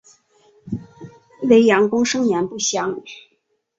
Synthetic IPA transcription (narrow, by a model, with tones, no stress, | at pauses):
we˧˥ɪjɑ˧˥ŋkʊ˥ŋʂɤ˥ŋjɛ˧˥npu˥˩ɕjɑ˧˥ŋ